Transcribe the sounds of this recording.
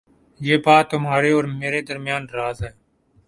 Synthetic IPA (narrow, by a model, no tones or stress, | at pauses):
jeːpaːt̪ʊmɦaːɾeːɔːɾmeːɾeːd̪əɾmjaːnɾaːzɦɛː